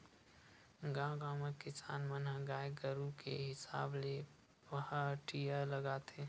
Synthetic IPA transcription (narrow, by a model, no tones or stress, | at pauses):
ɡãːɡaːmekɪsa̰ːnmənɦəɡaːjɡəɾukḛɦɪsaːble | ʋəhaʈijaləɡaːt̪ʰeː